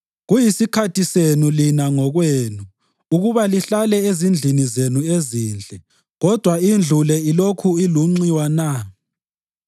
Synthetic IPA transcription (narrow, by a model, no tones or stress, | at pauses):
ɣujisikʰatʰisenulinaŋɔɣweːnu | uɣuβaliɬalɛezind͡ɮʱinizenueziːnd͡ɮʱɛ | ɣɔd̥ʱwaind͡ɮʱulɛilokʰuiluŋ͡ǀiwana